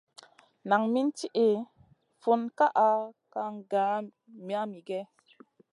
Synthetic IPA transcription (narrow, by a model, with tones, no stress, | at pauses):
na˨ŋmi˦nti˦ʔe˨ | fu˦nka˦ʔa˨ka˧ŋ˦ɡa˨˦ | mi˦a˦mi˨ɡɛ˦